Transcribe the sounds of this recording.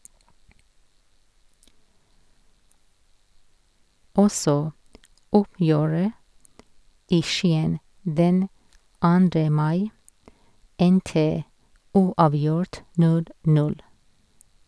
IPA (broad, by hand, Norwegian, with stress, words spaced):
ˈɔsɔ ˈʊpjøːɹə ˈiː ˈʃiːən ˈdɛn ˈɑːndɾə ˈmɑɪ ˈɛntə ˈuːɑːˌʋjʊɹt ˈnʉl ˈnʉl